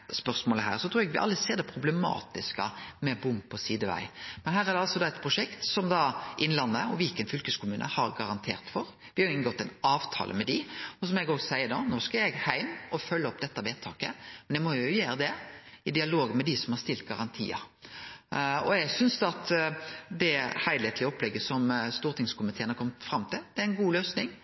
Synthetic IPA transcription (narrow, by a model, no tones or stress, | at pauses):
spœʁsmoːləɦæ̰ːʁsɔt̪ʰɾuːɛɡʋɪʔɑ̰lːəseːɾd̪ɛpʰɾʊblɛmɑ̰ːt̪ɪskəmɛbʊmpʰɔsiːd̪əʋæ̰ɪmɛnɦæːɾæʁd̪ɛɑlsɔd̪ɑɛt̪̚pʰɾʊʂɛkt̪sɔmd̪ɑʔɪnlɑnːəɔʋɪlkːənfʏlkəskʰʊmʉːnʔə̰hɑɾɡɑɾɑnt̪ʰḛːʁt̪fɔɾ | ʋɪhɑjʊɪŋːəɡɔt̪ːɛnɑːʋt̪ʰɑ̰ːlʔə̰mɛd̪ɪɔsɔmɔɛɡoːɡsæɪənoːnoːskɑɛɾjɛɡhæɪmɔfœlːəɔpd̪ɛt̪ːɑʋeːt̪ʰɑːkə̰mɛnɛmɔjʊʊjæːɾəd̪ɛɪd̪ɪɑloːɡənmɛd̪ɪsɔmhɑɾst̪ɪlt̪̚ɡɑɾɑnt̪ʰḭːɑ̰ | ɔ̰ɛɡsʏnsd̪ɑt̪d̪ɛhæɪd̪eːt̪ʰlɪɔplɛɡːəsɔmst̪uːɾt̪ɪŋskʊmɪt̪ʰeːnhɑɾkɔmt̪fɾɑmt̪ʰɪld̪ɛæɪnɡuːløːsnɪŋ